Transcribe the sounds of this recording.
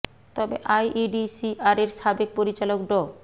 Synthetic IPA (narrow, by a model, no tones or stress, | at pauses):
t̪ɔbḛʔajʔiɖisiʔaɾeɾʃabek̚poɾit͡ɕalokɖɔ